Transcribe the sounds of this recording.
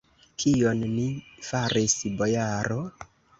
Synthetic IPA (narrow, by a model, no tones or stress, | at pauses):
kʰio̞nnifaɾisbo̞jaɾo